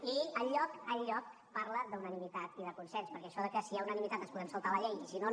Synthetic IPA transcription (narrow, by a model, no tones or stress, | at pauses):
iəʎːɔkəʎːɔk̚ | paɾləd̪əunənimit̪at̪iðəkunsɛnspəɾkɛəʃɔðəkəsiaunənimit̪at̪ənspuðɛmsəlˠt̪aləʎɛjisino